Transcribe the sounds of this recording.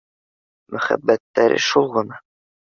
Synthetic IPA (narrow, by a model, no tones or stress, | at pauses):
mʔɵ̆χæ̰bːæt̪ːæɾɘ̰ʃulˠʁɤ̆nɑ